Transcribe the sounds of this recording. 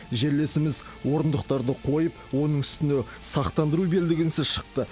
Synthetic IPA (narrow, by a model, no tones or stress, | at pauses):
ʒe̞ɾle̞sɪmɪz | wo̞ɾənd̪əq̚t̪ɑɾd̪əqʰo̞jəpwo̞nəɴʏst̪ɪnɪsɑqt̪ɑnd̪əɾube̞ld̪ɪɡʲɪnsɪʃə̥q̚t̪ə